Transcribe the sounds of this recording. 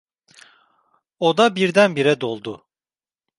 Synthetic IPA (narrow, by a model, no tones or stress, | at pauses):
od̪abiɾd̪ænbiɾɛd̪o̞lˠd̪ʊ